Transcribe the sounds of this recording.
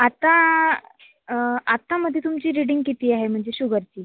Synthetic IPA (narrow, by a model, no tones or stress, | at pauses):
at̪ã | at̪aməd̪ʱjet̪umt͡ɕiːɾiɽiŋɡkit̪iːaɦem̤əɳd͡zeɕuɡəɾt͡ɕiː